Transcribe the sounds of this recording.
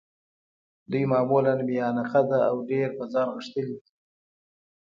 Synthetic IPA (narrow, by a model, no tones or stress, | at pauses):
d̪ujmɑːmulanbeɑnaqad̪aawɖeɾpəzɑnɣəʂt̪əlid̪i